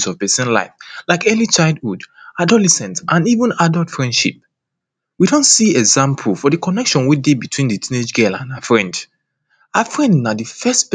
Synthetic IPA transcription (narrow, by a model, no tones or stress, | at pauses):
sɔv̥pɛsɛ̃nla̰ɪflaɪkɛlit͡ʃaɪlˠdhudadɔlɛsɛ̃ntʔãnivə̃nadɔlˠtfɹɛ̃ndʃḭp̚ | widɔ̃ntsiɛɡzãmpʰlfɔdɨkʰɔnɛkʃɔ̃nwidebitʰw̥ĩndɨtʰĩned͡ʒɡɛlã̰naəfɹɛ̃nd | afɹɛ̃ndnadɨfɛstp